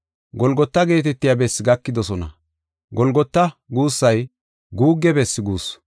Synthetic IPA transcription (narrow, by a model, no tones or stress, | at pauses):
ɡɔlɡɔt̪ːɐɡe̞ːt̪ɛt̪ːɪjabɛsːɪɡɐkːɪd̪ɔsɔnɐ̰ | ɡɔlɡɔt̪ːɐɡuːsːɐj | ɡuːɡːɛbɛsːɪɡuːs